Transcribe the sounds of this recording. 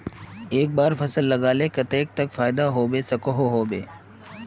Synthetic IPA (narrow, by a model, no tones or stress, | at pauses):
eːk̚baːɾfɐsəlːɐɡaːlekɐt̪eːk̚t̪ɐkfaːɪd̪aɦoːbesɐkoɦoɦoːbeː